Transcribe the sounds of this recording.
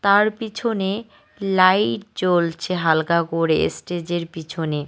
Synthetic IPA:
t̪aɾpit͡ɕʰone | lajʈ̚t͡ɕolt͡ɕʰeɦalkakoɾeḛsʈed͡ʑeɾpit͡ɕʰone

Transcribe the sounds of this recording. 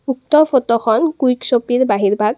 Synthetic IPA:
uk̚t̪ɔfʰot̪ɔxɔnkujksopiɹbaɦiɹbʱaɡ̚

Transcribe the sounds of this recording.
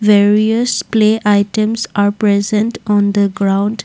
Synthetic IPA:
ʋeːɾiəspleːʔaɪʈə̃msaɾpɾɛzə̃nɳʈɔ̃ːnd̪əɡɾãʊ̃ɳɖ

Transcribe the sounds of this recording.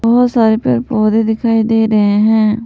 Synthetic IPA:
bɔːt̪saːɾeːpɪ̰ɾpoːd̪eːd̪ɪkʰaːiːd̪eːɾəɦeːɦɛ̃ː

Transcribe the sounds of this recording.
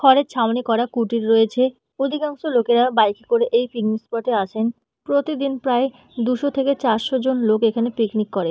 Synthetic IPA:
kʰɔɾet͡ɕʰamnikɔɾakuʈiɾɾojet͡ɕʰe | od̪ʱikaŋʃolokeɾabajkikoɾeʔejpiknispɔʈeaʃʰen | pɾot̪id̪inpɾae | d̪uʃot̪ʰeket͡ɕaɾʃod͡ʑonlokekʰanepiknikːɔɾe

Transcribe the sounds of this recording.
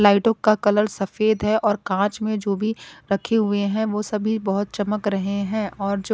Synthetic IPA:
laːɪʈõkakɐləɾsɐfeːd̪ɦɛʔɔːɾkãːt͡ʃmẽd͡ʒoːbʱiɾɐkʰeɦʊeɦɛ̃ʋoːsɐbʱibɐɦʊt̪̚t͡ʃɐməkɾɐɦeɦɛ̃ːʔɔːɾd͡ʒoː

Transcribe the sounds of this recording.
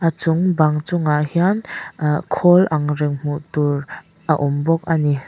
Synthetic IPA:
ʔat͡sʊŋbɐŋt͡sʊŋaʔhiankʰɔlʔɐŋɾɪŋm̥uʔt̪ur | ʔɐʔumbɔk̚ani

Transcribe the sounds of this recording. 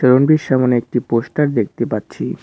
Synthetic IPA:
ʃəɾonbiɾʃamoneek̚ʈipoʃʈaɾd̪ek̚t̪epatːɕʰi

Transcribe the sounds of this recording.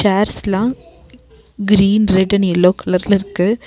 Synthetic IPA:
aːɾslãː | ɡɪɾiːnɾɛɖɐnɪlːoːkʰɐlɐɾlɪɾɯkːɯ

